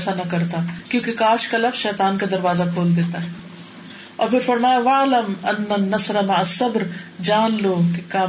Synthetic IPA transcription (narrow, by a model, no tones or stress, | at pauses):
sanɐkɐɾt̪akjõːkikaːʃkɐlɐfʃɛːt̪aːnkad̪ɐɾʋaːzakʰoːld̪eːt̪aɦɛ | ɔ̰ːɾfɪɾfɐɾmaːjaʋɐːlɐmɐnːɐnːɐsɾɐmɐʕasɐbɾd͡ʒaːnloːkikaː